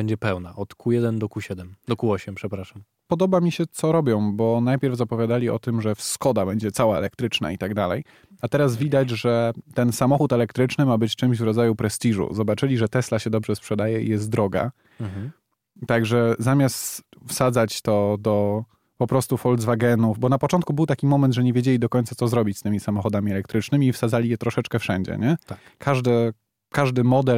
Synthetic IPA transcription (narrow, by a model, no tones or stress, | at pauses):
bɛɲd͡ʑɛpɛwnaʔɔt̪kujɛd̪ɛnd̪ɔkuɕɛd̪ɛmd̪ɔkuɔɕɛmpʂɛpɾaʂam | pɔd̪ɔbamʲiɕɛt̪sɔɾɔbʲjɔ̃w̃bɔnajpʲjɛɾvzapɔvʲjad̪alʲiɔ̰t̪ɘmʐɛfskɔd̪abɛɲd͡ʑɛt̪sawaɛ̰lɛk̚t̪ɾɘt͡ʂna̰it̪aɡd̪alɛ̰j | at̪ɛɾazvʲid̪ad͡ʑʐɛt̪ɛnsamɔxut̪ɛlɛkt̪ɾɘt͡ʂnɘmabɘt͡ɕt͡ʂɘmʑvɾɔd̪zajupɾɛst̪ʲiʐṵzɔbat͡ʂɘlʲiʐɛt̪ɛslaɕɛd̪ɔbʐɛspʂɛd̪ajɛḭjɛst̪̚d̪ɾɔɡa̰ | t̪aɡʐɛzamʲjast̪fsad̪zat͡ɕt̪ɔd̪ɔ | pɔpɾɔst̪ufɔld̪zvaɡɛnufbɔnapɔt͡ʂɔnt̪kubɘwt̪akʲimɔmɛnt̪ʐɛɲɛvʲjed͡ʑelʲid̪ɔkɔɲnt̪sat̪sɔzɾɔbʲit͡ɕst̪ɘmʲisamɔxɔd̪amʲiɛlɛkt̪ɾɘt͡ʂnɘmʲiːfsad̪zalʲijɛt̪ɾɔʂɛt͡ʂkɛfʂɛɲd͡ʑɛ̰ɲɛt̪a | kʰaʐd̪ɛ | kaʐd̪ɘmɔd̪ɛ